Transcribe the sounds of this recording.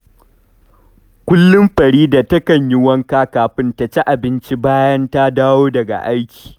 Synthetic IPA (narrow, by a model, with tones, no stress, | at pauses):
kʷʊ˦lːʊ˦mɸɐ˨ɽiː˦da˨tɐ˦kɐ˨ɲjɪ˦wɐ˦ŋkaː˦kaː˨ɸɪ˦nta˨t͡ʃe˦ʔa˨bɪ˦nt͡ʃi˦baː˦jɐ˦nta˦daː˦woː˦dɐ˨ɡa̰˨ʔa˦jkʲi̥ː˨